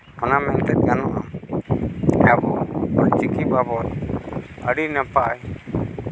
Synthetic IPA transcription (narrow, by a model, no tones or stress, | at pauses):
ɔnamɛnt̪ɛt̪̚ɡanɔʔa | ɛbɔbat͡ʃikip̚abɔt̪ | əɖinɛpaʔj